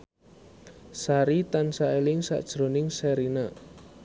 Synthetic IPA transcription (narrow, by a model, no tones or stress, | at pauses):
saɾit̪ansaelɪŋsa̰ʔd̥ʒ̥ɾo̤nɪŋseɾinə